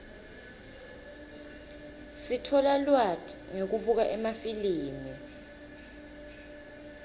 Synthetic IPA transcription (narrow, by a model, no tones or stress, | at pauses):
sitʰɔlalwatʼŋek̬uɓuk̬aʔɛmafiliːmi